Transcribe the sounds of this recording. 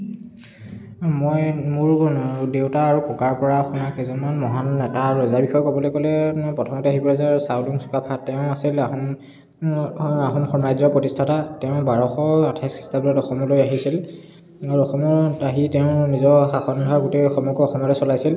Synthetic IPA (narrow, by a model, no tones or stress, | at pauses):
mojmuɹdewtaːɹukɔkaɹpɔɹaxunakɛzɔnanmɔɦanɛtaɹɔzaɹbixɔjkɔbɔlojkɔlɛpɔtʰɔmɔtɛaɦibɔɹɛzaɹsawduŋsu̥kapʰatɛʊ̃asila | aɦɔnxɔmɹajzɔpɹɔtistʰatatɛʊ̃baɹɔxɔatʰaskʰi̥stabulɔtɔxɔmɔlojaɦisil | aɹɔxɔmɔɹaɦitɛʊ̃nizɔɹxaxɔnɡʱaɹɡotejɔxɔmɔkɔɔxɔmɔtɛsɔlajsil